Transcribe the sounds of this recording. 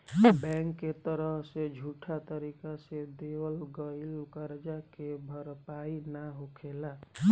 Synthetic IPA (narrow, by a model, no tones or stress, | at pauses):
bɛŋkːet̪əɾʌɦsed͡ʒʱuʈʰat̪əɾikased̪ewəlɡəilkəɾd͡ʒakebʱʌɾpainaɦokʰela